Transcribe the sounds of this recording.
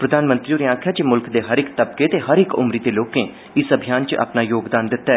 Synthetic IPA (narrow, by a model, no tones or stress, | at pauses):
pɾəd̪aːnmənt̪ɾioːnẽaːkʰjaːd͡ʒeːmʊlkd̪eːɦəɾɪkt̪əb̚keːt̪eːɦəɾɪkʊ̰mɾiːt̪eːloːkẽː | ɪsəbʱijaːnt͡ʃa̰ːpnaːjoːɡd̪aːnd̪ɪt̪ːaɛː